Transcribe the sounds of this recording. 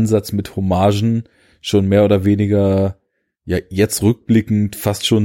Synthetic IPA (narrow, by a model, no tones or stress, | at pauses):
nzat͡smɪthomaːʒn̩ | ʃoːnmeːɐoːdɐveːnɪɡɐ | jaːjɛt͡stʁʏk̚b̥lɪkŋ̩tfastʃoːn